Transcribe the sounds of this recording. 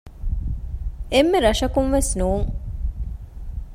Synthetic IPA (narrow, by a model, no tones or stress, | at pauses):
emːeɾɐʂɐkunʋesnuːŋ